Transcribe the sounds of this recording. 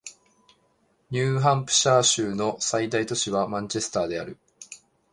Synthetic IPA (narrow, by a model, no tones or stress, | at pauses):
ɲʲɨːɦãmpɯ̟̥ɕaːɕɨːno̞said̪ait̪o̞ɕiβamãɲt͡ɕe̞sɨ̥t̪aːd̪e̞aɾɯ̟